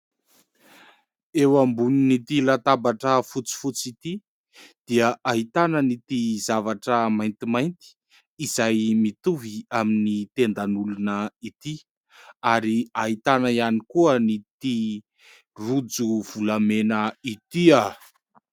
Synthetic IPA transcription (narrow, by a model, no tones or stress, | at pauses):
ewambuninit̪ilat̪abaʈ͡ʂəfut͡si̥fut͡sit̪i | d̪̥iəʔaɦit̪anənit̪izavaʈ͡ʂəmajnt̪imajnt̪i̥ː | zajmit̪uviaminit̪end̪anulunəit̪i | aɾiaɦit̪anaianikuənit̪i | rud͡zuv̥ulamenəit̪ia